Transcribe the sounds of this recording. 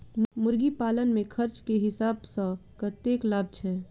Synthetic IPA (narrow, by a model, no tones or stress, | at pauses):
mʊɾɡipaːlənmẽkʰəɾt͡ʃkeɦɪsaːbsɔkət̪eːklaːb̚t͡ʃʰɛː